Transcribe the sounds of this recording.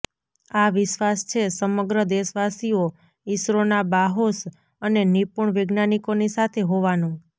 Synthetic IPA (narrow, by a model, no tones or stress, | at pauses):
aʋɪʃʋast͡ʃʰesəməɡɾəd̪eʃʋasio | isɾonabaɦos | ənenipuɳʋeɡnanikonisat̪ʰeɦoʋanũ